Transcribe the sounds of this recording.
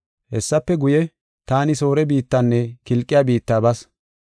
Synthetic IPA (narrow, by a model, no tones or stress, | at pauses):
hɛsːɐpːɛɡʊjɛ | t̪aːnɪso̞ːɾɛbiːt̪ːanːɛkɪlkʼːɪjabiːt̪ːaːbɐs